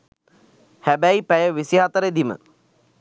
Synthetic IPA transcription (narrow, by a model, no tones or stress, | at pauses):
hæbæipæjəʋisiɦat̪əɾed̪imə̰